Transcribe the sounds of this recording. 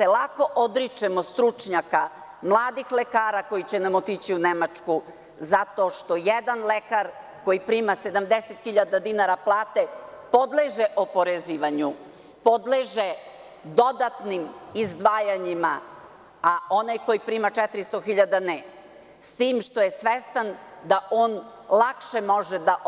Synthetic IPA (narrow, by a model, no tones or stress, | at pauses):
selako̞ʔod̪ɾit͡ʂemost̪ɾut͡ʂɲaka | mlˠaːd̪ixlekaːɾako̞jit͡ɕenamot̪it͡ɕiunemat͡ʂku | zat̪o̞ʂt̪o̞jed̪anlekaɾ | ko̞jipɾiːmase̞d̪amd̪eset̪xiʎad̪ad̪inaɾaplˠaːt̪epo̞d̪leʒeʔopoɾeziːʋaɲu | pod̪leʒe | d̪o̞d̪at̪nimizd̪ʋaːjaɲima | ao̞najko̞jipɾiːmat͡ʂɛt̪ɾist̪oxiʎad̪ane | st̪iːmʃt̪o̞jesʋest̪an | d̪aʔoːn | lˠakʃemoʒed̪aʔ